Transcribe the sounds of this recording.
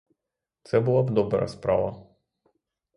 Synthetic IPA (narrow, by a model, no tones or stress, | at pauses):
t̪sɛbulˠabd̪ɔbɾa̰spɾa̰va